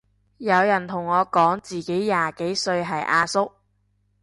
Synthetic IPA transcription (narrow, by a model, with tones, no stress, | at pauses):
jɐ˨˧wjɐ˨˩nt̪ʰʊ˨˩ŋːɔː˨˧kɔː˨˥ŋt͡siː˨ke˨˥jːaː˨ke˨˥jsɵ˧ɥɦɐ˨jʔaː˧sʊ˥k̚